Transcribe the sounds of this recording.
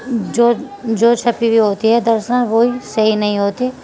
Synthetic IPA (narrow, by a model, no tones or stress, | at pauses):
d͡ʒoː | d͡ʒoːt͡ʃʰɐpibʱiɦoːt̪iɦɛd̪ɐɾsanʋoisɐɦinɐɦĩɦoːt̪i